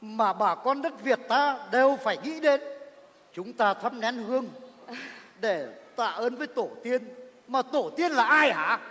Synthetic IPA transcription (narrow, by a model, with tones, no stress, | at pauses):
maː˨˩ɓaː˨˩kɔ˧nɗə˦˥t̚vi˨˩ət̚t̪aː˧ɗe˨˩wfaː˧˩jŋḭ˧˥ɗe˨˧˦n | t͡ɕʊ˨˦ŋ͡mt̪aː˧t̪ʰə˧mnɛ˨˦nhɨ˧əŋ | ɗe˧˩t̪a̰ː˧˨ʔəː˨˧nvəː˨˦jt̪o˧˩t̪i˧ənmaː˨˩t̪o˧˩t̪i˧ənlaː˨˩ʔaː˧jʔa̰ː˧˥